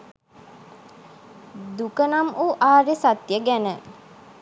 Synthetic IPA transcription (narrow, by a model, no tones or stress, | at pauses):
d̪ukənamʔuːʔaːɾisat̪jəɡænə